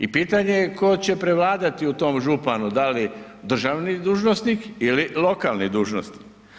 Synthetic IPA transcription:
ipiːt̪aɲeko̞t͡ɕe̞pɾe̞ʋlaːd̪at̪iut̪o̞mʒupanud̪ali | d̪r̩ʒaʋnid̪uːʒnosnikililo̞kalˠnid̪uːʒno̰sni̥k

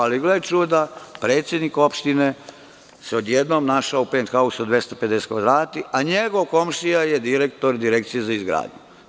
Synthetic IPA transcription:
aliɡlet͡ʃud̪apɾeːt̪sjed̪niko̞pʃt̪ine | seod̪jed̪nomnaʃaoupent̪xausod̪ʋjest̪ope̞d̪ese̥t̪kʋad̪ɾaːt̪iʔaɲeɡo̞ʋko̞mʃijajed̪iɾekt̪oɾd̪iɾek̚t̪sijezaizɡɾa̰ːd̪ɲu

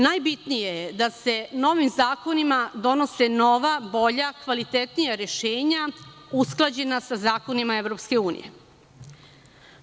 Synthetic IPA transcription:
najbit̪nijed̪ase̞no̞ʋimzaːko̞nimad̪o̞no̞seno̞ʋabo̞ʎakʋalit̪et̪nijaɾeʃeːɲausklˠad͡ʑe̞nasazaːko̞nimaeʋvɾo̞pske̞uːnḭje̞̰

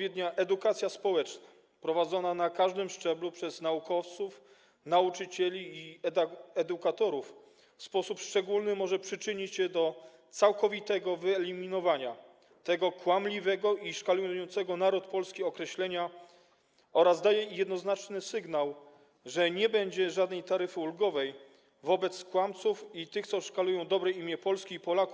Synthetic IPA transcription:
vʲjɛd̪ɲaʔɛd̪ukat̪sʲjaspɔwɛt͡ʂna | pɾɔvad̪zɔnanakaʐd̪ɘmʂt͡ʂɛblupʂɛznaukɔft̪suf | naut͡ʂɘt͡ɕɛlʲiː | ɛd̪ukat̪ɔɾuf | fspɔsupʂt͡ʂɛɡulnɘmɔʐɛpʂɘt͡ʂɘɲit͡ɕɕɛd̪ɔ | t̪sawkɔvʲit̪ɛɡɔvɘɛlʲimʲinɔvaɲa | t̪ɛɡɔkwamlʲivɛɡɔʔiʂkalujjɔnt̪sɛɡɔnaɾut̪pɔlskʲiɔkɾɛɕlɛɲa | ɔɾazd̪ajɛjɛd̪nɔznat͡ʂnɘsɘɡnaw | ʐɛɲɛbɛɲd͡ʑɛʐad̪nɛjt̪aɾɘfɘulɡɔvɛj | vɔbɛt̪skwamt̪sufit̪ɘxt̪sɔʂkalujɔ̃w̃d̪ɔbɾɛjimʲjɛpɔlskʲiːpɔlakuf

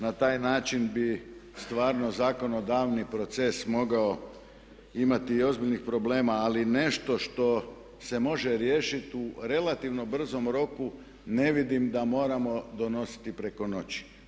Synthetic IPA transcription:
nat̪aːjnaːt͡ʃinbist̪ʋaːɾnozaːko̞no̞d̪aːʋnipɾo̞t̪sesmo̞ɡao | imat̪iːo̞zbiʎʲnixpɾo̞ble̞ːmaːline̞ʃt̪o̞ʃt̪o̞ | se̞mo̞ʒe̞ɾje̞ːʃit̪uɾe̞lˠat̪iʋno̞br̩zo̞mɾo̞ku | ne̞ʋid̪imd̪amo̞ːɾamo̞d̪o̞no̞si̥t̪ipɾe̞ko̞no̞t͡ɕi̥

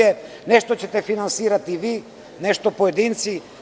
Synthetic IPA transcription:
ɛ | nɛʃt̪ot͡ɕɛt̪ɛfinansiɾat̪ivi | nɛʃt̪opoɛd̪int̪si

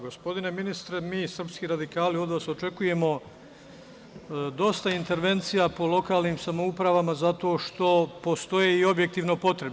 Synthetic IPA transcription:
ɡo̞spo̞d̪ine̞minist̪ɾemiːsr̩pskiːɾad̪ikaːlio̞d̪ʋaːso̞t͡ʃe̞kuje̞mo̞ | d̪o̞st̪aint̪e̞ɾʋe̞nt̪sijapo̞lˠo̞kaːlniːmsamo̞upɾaʋamazat̪o̞ːʃt̪o̞post̪o̞jeio̞bje̞k̚t̪iːʋno̞po̞t̪ɾeb

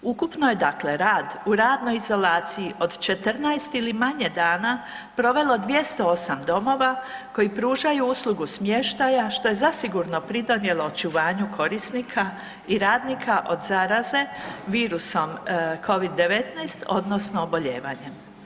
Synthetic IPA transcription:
ukupnoje̞d̪akle̞ɾaːd̪uɾaːd̪no̞jizo̞laːt̪siiʔo̞d̪t͡ʃe̞t̪rnajst̪ilimaɲe̞d̪aːna | pɾo̞ʋe̞lˠo̞d̪ʋje̞st̪o̞o̞samd̪o̞mo̞ʋako̞jipɾuːʒajuuslˠuɡusmje̞ʃt̪ajaʃt̪o̞je̞zasiɡuɾno̞pɾid̪o̞nje̞lo̞ot͡ʃuʋaːɲukʰo̞ɾisnikʰa | iɾaːd̪nikʰaʔo̞d̪zaːɾaze̞ʋiːɾuso̞mkʰo̞ʋid̪ːe̞ʋet̪najst̪ʰo̞d̪no̞snoːbo̞ʎe̞̰ːʋa̰ɲe̞m

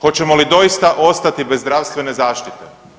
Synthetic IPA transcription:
xo̞t͡ɕe̞mo̞lid̪o̞ist̪aʔo̞st̪at̪ibe̞zːd̪ɾaʋst̪ʋe̞ne̞zaːʃt̪it̪e

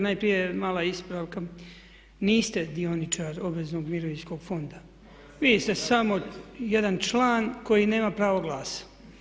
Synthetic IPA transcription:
najpɾijemaːlaispɾaʋka | niːst̪ed̪ionit͡ʃaɾo̞bʋeznoɡmiɾoʋiɲsko̞ɡ̥fo̞nd̪a | ʋid̪ist̪esamo̞jed̪ant͡ʃlˠaːnko̞jine̞ːmapɾaːʋoɡlˠaːsḁ

